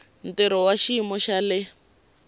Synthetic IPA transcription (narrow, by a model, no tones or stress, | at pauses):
n̩tɛɾɔwaʃimɔʃalɛ